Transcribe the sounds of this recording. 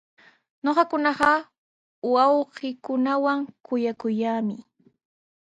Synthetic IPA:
ɲoqɑkʊnɑɢɑ | wɑwɢɪkʊnawaŋkʊjakʊjaːmɪ

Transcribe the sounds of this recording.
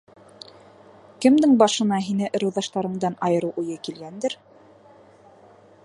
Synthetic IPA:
kɘ̆md̪ɘŋbɑʃɤ̆nɑɦinɘʔɤ̆ɾɤ̆wðɑʃt̪ɑɾɤ̆ɴd̪ɑnɑjɤ̆ɾɤwʔujɤkilɡænd̪ɘɾ

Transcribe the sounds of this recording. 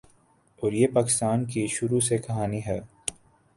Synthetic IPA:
ɔːɾjepaːkɪ̥st̪aːnkiʃʊɾusekɐɦaːniɦɛː

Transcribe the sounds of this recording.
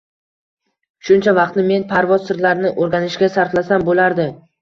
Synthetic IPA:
ʃʊnt͡ʃʰavɑqt̪nɪme̞npʰaɾvɒzsɪɾlaɾnɪʔoɾɡʲanɪʃɡʲasaɾflasambolaɾd̪ɪ

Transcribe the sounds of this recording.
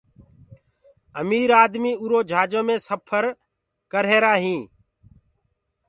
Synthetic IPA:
əmiːɾaːd̪miːuːɾoːd͡ʒʱaːd͡ʒõːmẽːsəpʰəɾ | kəɾɦeːɾaːɦĩː

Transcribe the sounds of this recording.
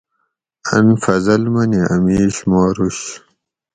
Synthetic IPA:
ɐ̰nfɐzɐlmɐniɐ̰miːɕmoːɾuɕ

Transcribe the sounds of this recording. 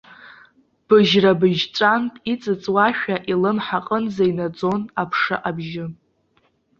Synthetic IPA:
b̥ɨʒrabɨʒt͡ʃʷʼantʼit͡sʼɨt͡sʼwaʃᶣaʔilɨmħaqʼənzainad͡zo̞napʰʂɨ̰ʔabʒɪ

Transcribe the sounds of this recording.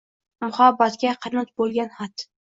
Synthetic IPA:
mʊhɑbat̪ɡʲaqʰɨɾnɨt̪̚bolˠɡʲanhat̪

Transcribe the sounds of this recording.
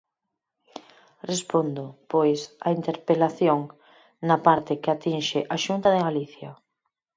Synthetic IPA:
respond̪ʊpojsaint̪eɾpelaθjoŋ | napaɾt̪ɪkɪat̪inʃɪʔaʃunt̪aðɪɣaliθja

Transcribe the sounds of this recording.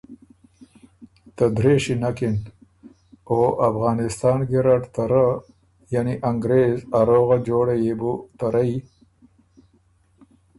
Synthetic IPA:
t̪əd̪ɾeʂinakɪn | oʔafɣɑːnɪst̪ɑːnɡeɾaʈt̪aɾa | janiʔaŋɡɾeːzaɾoɣad͡ʒoːɽajebut̪aɾai

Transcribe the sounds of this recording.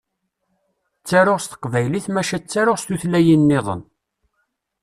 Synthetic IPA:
t͡sːaɾoʁst̪ə̥qvæjliθmæʃæt͡sːaɾoʁst̪uθlæjinːeðˤə̰n

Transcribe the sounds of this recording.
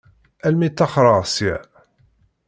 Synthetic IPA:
ælmit̪ːɑχɾˤəʁsi

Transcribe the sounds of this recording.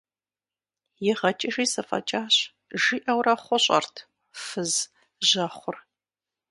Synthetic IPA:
jɪʁɐt͡ʃʼɐʒiːsɐfʼɐ̰t͡ʃʼaːɕ | ʒiʔɐwɾɐχʷɔɕʼɐ̰rtʰ | fɨz | ʒɐχʷʊr

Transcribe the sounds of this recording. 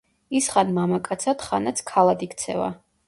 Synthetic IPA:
isχanmamakʼat̪sʰat̪χanat̪sʰkʰalˠad̪ikt̪sʰɛ̰va̰

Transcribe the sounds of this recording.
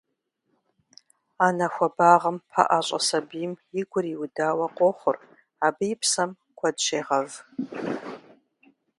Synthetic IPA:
aːnɐxʷɔbaːʁɐmpʰa̰ʔaːɕʼɐ̰sɐbiːmjɪɡʷʊriwʊdaːwɐqʷʼɔχʷʊr | aːbɨjɪpʰsɐm | kʷʰɐdʃeːʁɐv

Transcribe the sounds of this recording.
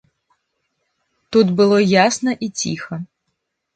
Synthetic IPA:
t̪ud̪bɨlˠɔjasnɐʔit͡sʲixɐ

